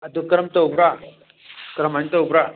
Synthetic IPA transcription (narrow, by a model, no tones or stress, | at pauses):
ɐd̪ukɾɐmt̪ɐubɾa | kɾɐmant̪ɐubɾa